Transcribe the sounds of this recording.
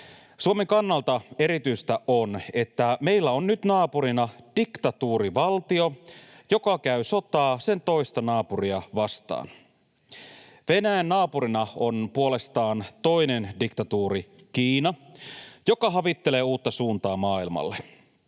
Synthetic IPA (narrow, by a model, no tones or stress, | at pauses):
suomeŋkɑnːɑlt̪ɑe̞ɾit̪yjst̪æʔone̞t̪ːæme̞ilːæonːyt̪nɑːpuɾinɑd̥ikt̪ɑt̪uːɾiʋɑlt̪io̞ | jo̞kɑkæysot̪ɑːse̞nt̪o̞ist̪ɑnɑːpuriɑʋɑst̪ɑ̰ːn | ʋenæjænːɑːpuɾinɑo̞npuole̞st̪ɑːnt̪o̞ine̞ndikt̪ɑt̪uːɾi | k̟iːnɑjo̞kɑɦɑʋit̪ːe̞le̞ːuːt̪ːɑsuːnt̪ɑːmɑːilmɑ̰lːe